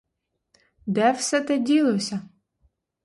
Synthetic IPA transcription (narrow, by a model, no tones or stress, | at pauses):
d̪ɛwsɛt̪ɛdʲilˠɔsʲɐ